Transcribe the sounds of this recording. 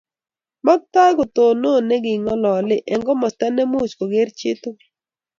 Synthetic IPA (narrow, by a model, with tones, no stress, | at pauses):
mɔ˦k̚t̪a˦ɡo˨t̪o˨no˦˨nɛ˦ɡɪ˨ŋɔ˦lɔ˨lɪ˦ʔɛ˨ŋɡɔ˦mɔ˨stɛ˦nɛ˦mo˦˨t͡ʃko˨ɡe˦ɾt͡ʃɪ˦t̪ʊ˦